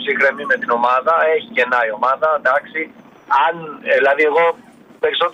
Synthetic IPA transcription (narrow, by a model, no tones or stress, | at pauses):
sixɾe̞mime̞t̪ino̞mɐðɐe̞çice̞nɐio̞mɐðɐd̪ɐksi | ɐnilɐðie̞ɣo̞ | pe̞ɾiso̞t̪